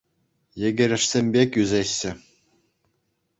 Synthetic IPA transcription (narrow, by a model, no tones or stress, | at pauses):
jɘ̆ɡʲɘ̆ɾʲɘ̆ʂsʲemʲbʲekʲyzʲeɕːɘ̆